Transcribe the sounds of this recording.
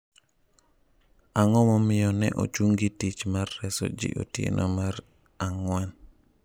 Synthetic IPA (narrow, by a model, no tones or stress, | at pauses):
aŋɔmɔmɪjɔnɛ̰ʔo̰t͡ʃuŋɡitit͡ʃmarːɛsɔ̰d͡ʒḭʔo̰tɪ̰nʔɔmaɾ | aŋwɛn